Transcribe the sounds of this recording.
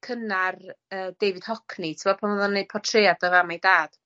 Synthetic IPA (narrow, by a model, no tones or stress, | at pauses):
kʰənarəːd̥ejvɨd̥hɔkʰnitʰəmɔpʰanəðɔnːejd̚pʰɔtʰreadəvamajdaːd̥